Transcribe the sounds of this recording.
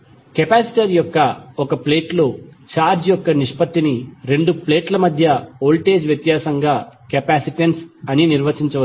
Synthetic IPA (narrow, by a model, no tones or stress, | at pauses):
kepaːsi̥ʈɐɾjɔkːɐɔkɐple̞ːʈlot͡ʃaːɾd͡ʒjɔkːɐniʂpɐt̪ːiniɾe̞ɳɖuple̞ːʈlɐmɐd̪ʱjɐoːlʈe̞ːd͡ʒʋjɐt̪jaːsɐŋɡaːkɐpaːsiʈensɐniniɾʋɐt͡ʃiɲt͡ʃɐʋɐ